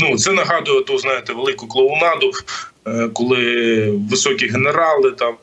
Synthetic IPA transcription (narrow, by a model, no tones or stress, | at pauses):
nut̪sɛnɐɦɑd̪ʊjɛt̪uznɑjet̪ɛʋelˠɪkʊklˠɔʊnɑd̪ʊ | kɔlˠɪʋɪsɔkʲiɦeneɾɑlˠɪt̪ɑm